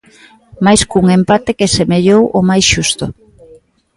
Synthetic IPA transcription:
majskuŋempat̪ekesemeʎowʔomajsʃust̪ʊ

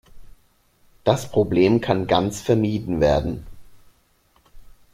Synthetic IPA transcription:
d̥aspʁ̥obleːmkʰanɡant͡sfɛɐmiːdn̩veːɐdn̩

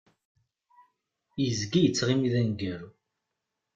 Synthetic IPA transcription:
jəzɡijət͡sːʁimiðænɡəɾu

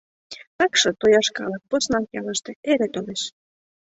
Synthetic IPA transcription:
t̪ɑkʃɤ̆t̪ojɑʃkɑ̰lɤk̚posnɑnjɑlɤ̆ʃt̪ĕeɾet̪oleʃ

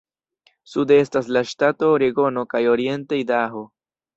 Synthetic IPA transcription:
sude̞staslaʃtato̞ɾeɡo̞no̞kajo̞ɾie̞ntejdaɦo

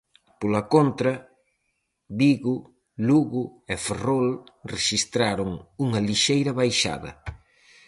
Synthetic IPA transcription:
polɐkont̪ɾɐ | βiɣu | luɣʊeferolreʃist̪ɾaɾʊŋuŋɐliʃejɾɐβajʃa̰ðɐ̰

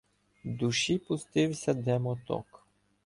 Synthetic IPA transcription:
d̪uʃipʊst̪ɪwsʲɐd̪ɛmɔt̪ɔ̰k

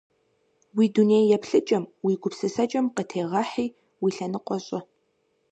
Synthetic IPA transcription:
wiːduneːjjɛpɬɨt͡ʃʼɐmwiːɡʷʊpsɨsɐt͡ʃʼɐmqətʰeːʁɐħiː | wiːɬɐnɨqʷɔɕʼɪ

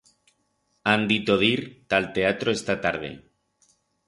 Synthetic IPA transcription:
and̪it̪oð̞iɾt̪alt̪eat̪ɾoest̪at̪aɾð̞ḛ

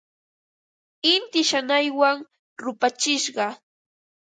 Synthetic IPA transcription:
ɪnt̪ɪʃanajwaŋ | ɾʊpat͡ʃɪʃɢɑ

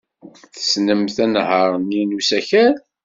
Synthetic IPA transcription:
θə̥snəmθænhəɾˤninusæçæð

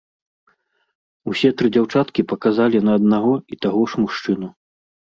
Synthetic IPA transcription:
usʲɛt̪ɾɨd͡zʲawt͡ʂat̪kʲipɐkazalʲinɐːd̪̚naɣɔit̪aɣɔʂmuʂt͡ʂɨnu

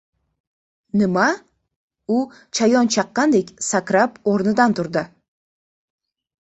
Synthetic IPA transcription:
nɪma | ʊ | t͡ʃʰajɒnt͡ʃʰɑqːɑnd̪e̞kʲsakʲɾapoɾnɪd̪ant̪ʰʊɾd̪ɪ

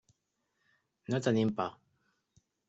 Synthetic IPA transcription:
not̪animpa

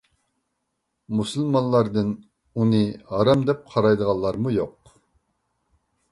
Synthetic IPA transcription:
musɨlˠmɑnlːˠɑɾd̪ɨn | unɨhɑɾɑmd̪ɛp̚qʰɑɾɑjd̪əʁɑllˠːɑɾmujoq

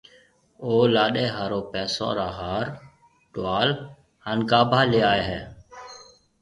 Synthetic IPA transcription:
oːlaːɗeːɦaːɾoːpɛːsõ̰ːɾaːɦaːɾ | ʈʊʋaːl | hənɡaːbʱaːleːaːeːɦɛː

